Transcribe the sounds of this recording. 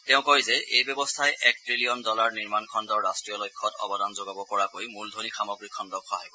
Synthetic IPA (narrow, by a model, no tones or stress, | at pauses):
tɛʊ̃kɔɹjzɛejbjɔbɔstʰajʔɛk̚tɹilijɔndɔlaɹniɹmankʰɔndɔɹɹastɹijɔlɔjkʰːɔtɔ̰bɔdanzoɡabɔpɔɹakojmuldʱonixamɔɡɹikʰːɔndɔkʰːɔɦɔjbɔ